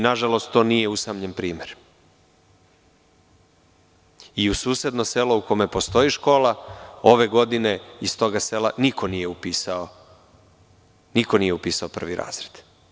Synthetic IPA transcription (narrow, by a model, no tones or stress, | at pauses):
naʒalo̞st̪t̪ːo̞ːnije̞usamɲempɾiːmeɾ | iusuːse̞d̪no̞se̞lo̞uko̞me̞po̞st̪o̞iʃko̞ːlao̞ʋe̞ɡo̞d̪ine̞ist̪o̞ɡase̞lanikʰo̞nije̞upiːsao | niko̞nije̞upiːsao̞pr̩ʋiɾʔa̰ːz̥ɾed̪̥